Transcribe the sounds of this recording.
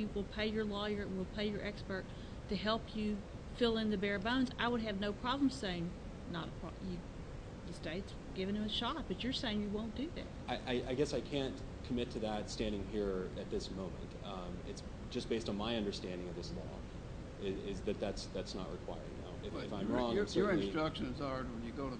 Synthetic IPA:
ɨwɪlˠpʰeɪjə˞lɔjə̃˞wɪlˠpʰeɪjə˞ʔɛkspə˞tʰ | ɨɦɛlˠpʰjɨ | fɪlˠɪ̃nðɨbɛɹbõʊ̃nzaɪwəɾ̚ɨvnoʊpʰɹ̥ɑblə̃m̩z̥seɪɪ̃ŋ | nəɾəpʰɹ̥ɑ̰jɨ | ðɨsteɪts | ɡ̥ɪvɨ̃nɨ̃mɨʃɑt̚b̥ʌt͡ʃə˞seɪɪ̃ŋjɨwõʊ̃nd̥ɨðæ̰t̚ʔaɪʔaɪʔaɪɡɛsaɪkʰæ̃n | kʰəmɪtʰɨðətstæ̃ndɪ̃ŋɦiɹɨt̪̚ðɪsmõʊ̃mɨ̰̃nt | ɪ̰ts | d̥ʒ̥ʌsb̥eɪstn̩maɪʌ̃ndə˞stæ̃ndɪ̃ŋʌvðɪslɔ̰ | ɪɪzðɨt̪̚ðætsðætsnə̰ʔ̚ɹɨ̰kʰw̥a̰ɪə˞ɪ̰̃na̰ʊɨfɪfãɪ̃mɹɔ̃ŋsəə˞ɨ̃n̩siɹ̥ʌkʃɨ̃nɨzɑɹd̚wə̃njɨɡoʊɾə

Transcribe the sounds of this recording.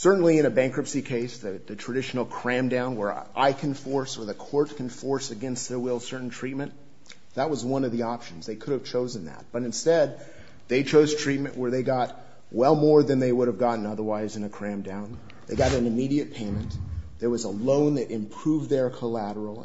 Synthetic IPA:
sɜ˞ʔn̩liɨ̃ñɨbæ̃ŋkɹɨpsikʰeɪsðɨðɨtʰɹ̥ɨdɪʃn̩l̩ˠkʰɹ̥æ̃mdãʊ̃nwə˞ʔaɪkʰɨ̃nfɔɹsə˞ðɨkʰɔɹt̚kʰɨ̃n̩fɔɹsɨɡɛ̃nst̪̚ððɨwɪlˠsɜ˞ʔn̩tʰɹ̥it̚mɨ̃n | ðət̚wʌzwʌ̃nʌvðiɑpʃɨ̃n̩zðeɪkʰʊɾɨv̥t͡ʃʰoʊzɨ̃n̩ðɨ̰t̚b̥ʌɾɨ̃nstɛd̪̚ | ðeɪt͡ʃʰoʊz̥tʰɹ̥it̚mɨ̃nʔwə˞ðeɪɡɑt̚ | wɛlˠmɔɹðɨ̃nðeɪwʊɾɨvɡɑʔn̩ʌðə˞waɪzɨ̃nɨkʰɹ̥æ̃mdãʊ̃n | ðeɪɡɑɾɨ̃nɨmiɾiɨt̚pʰẽɪ̃mɨ̃nðə˞wʌzəlõʊ̃nðɨɾɨ̃mpʰɹ̥uvðə˞kʰəlæɾə˞l̩ˠ

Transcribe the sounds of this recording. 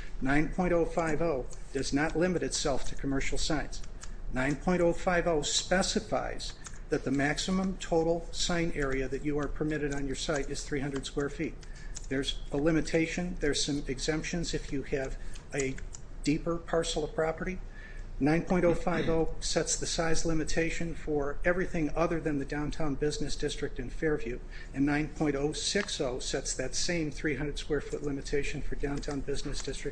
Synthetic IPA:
nãɪ̃npʰɔ̃ɪ̃ɾ̃toʊfaɪvoʊd̥ʌznətˡlɪ̃mɨɾɨtsɛlˠftʰɨ̥kʰəmɜ˞ʃl̩ˠsãɪ̃nsnãɪ̃npʰɔ̃ɪ̃ɾ̃oʊfaɪvoʊspɛsɨfa̰ɪz̥ | ðɨt̪̚ðɨmæksɨmə̃mtʰoʊɾl̩ˠsãɪ̃nɛɹiɨðɨt͡ʃɨə˞pʰə˞mɪɾɨɾn̩jə˞saɪɾɨz̥θɹihʌ̃ndɹəd̥skwɛɹfit̪̚ðə˞zəlɪ̃mɨtʰeɪʃɨ̃nðə˞z̥sʌ̃mɨɡzɛ̃mpʃɨ̃nzɨfjɨɨvɨd̥ipə˞pʰɑɹsl̩ˠʌ̥pʰɹ̥ɑpə˞ɾi | nãɪ̃npʰɔ̃ɪ̃ɾ̃oʊfaɪvoʊsɛtsðɨsaɪzlɪ̃mɨtʰeɪʃɨ̃nfə˞ɛvɹiθɪ̃ŋʌðə˞ðɨ̃nðɨdãʊ̃ntʰãʊ̃nbɪznɨsd̥ɪstɹ̥ɨk̚tɨ̃nfɛɹvjʉ | ɨ̃nːãɪ̃npʰɔ̃ɪ̃ɾ̃toʊsɪksoʊsɛtsðɨtsẽɪ̃mθɹiɦʌ̃ndɹəd̥skwɛɹfʊtˡlɪ̃mɨtʰeɪʃɨ̃n̩fə˞dãʊ̃ntʰãʊ̃nbɪznɨsd̥ɪstɹ̥ɨk̚

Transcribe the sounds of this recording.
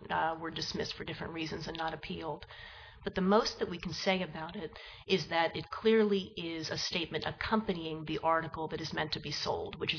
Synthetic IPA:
wə˞dɨsmɪstfə˞dɪfɹɨ̃nʔɹizɨ̃nzɨ̃nːəɾɨpʰilˠd | b̥ʌt̪̚ðɨmoʊst̪̚ðɨt̚wikʰn̩seɪɨbaʊɾɪɾ | ɪzðɨɾɨt̚kʰl̥ɪɹlˠiɪzɨsteɪt̚mɨ̃ntɨkʰʌ̃mpɨniɪ̃ŋðiʔɑɹɾɨkl̩ˠðɨɾɨzmɛ̰̃ntʰɨbisoʊlˠd̚wɨt͡ʃɨ

